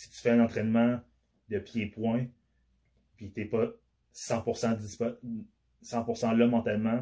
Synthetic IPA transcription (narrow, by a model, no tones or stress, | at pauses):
si̥t̪y̥fɛɛ̃nɑ̃t̪χɛnmã | d̪əpjepwɛ̃ | pit̪epʌ | sɑ̃puʁsɑ̃d̪ispɔ | sɑ̃puʁsɑ̃lʌmɑ̃t̪almã